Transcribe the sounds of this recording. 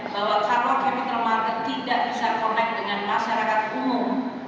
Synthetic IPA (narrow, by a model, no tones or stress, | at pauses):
bawakat̪ɔk̪ɔɲɛt̪ərmat̪ək̚t̪idaʔbisakonɛk̚dəŋanmaʃaɾakat̪̚umʊm